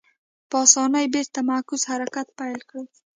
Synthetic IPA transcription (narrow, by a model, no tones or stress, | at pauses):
pʰɒsɒnajbeɾt̪ʰamakʊz̥haɾakʰʲat̪̚pajlkʰɾɪd̪